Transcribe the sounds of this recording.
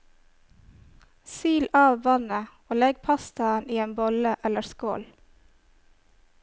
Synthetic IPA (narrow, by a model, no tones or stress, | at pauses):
syːlɑːʋʋɑnə | oːlɛɡ̚pʰɑst̪ɑəniːeːnbɔləʔɛləsko̰ːl